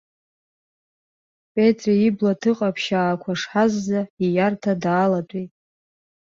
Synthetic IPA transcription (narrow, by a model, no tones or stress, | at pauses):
pʼetʼriiblatʰɨqʼapʰʃaːkʷʰaʂħazːaijartʰadaːlat͡pʷʼejtʼ